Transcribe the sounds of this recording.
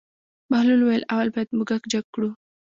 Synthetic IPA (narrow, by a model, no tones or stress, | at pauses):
mahlulwajəlawalbajad̪muɡakd͡ʒaɡ̚kːɽu